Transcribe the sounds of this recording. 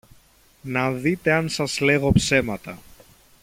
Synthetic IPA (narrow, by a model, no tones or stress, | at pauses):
nɐðit̪e̞ɐnsɐzle̞ɣo̞pse̞mɐt̪ɐ